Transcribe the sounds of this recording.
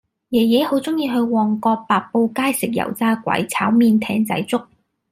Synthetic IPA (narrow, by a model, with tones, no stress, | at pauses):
jɛː˨˩jɛ˨˥jho˨˥wt͡sʊ˥ŋjiː˧ɦɵ˧ɥwɔː˨ŋkɔː˧paː˨k̚po˧wkaː˥jsɪ˨k̚jɐ̰˨˩wt͡saː˥kʷɐ̰˨˥jt͡sʰaː˨˥wmiː˧nt̪ʰɛ̰ː˨˥ŋt͡sɐ̰˨˥jt͡sʊ˥k̚